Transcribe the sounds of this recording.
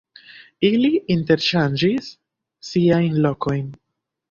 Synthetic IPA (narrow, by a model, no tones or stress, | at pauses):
iliinte̞ɾʃand͡ʒisː | iajnlo̞ko̞jn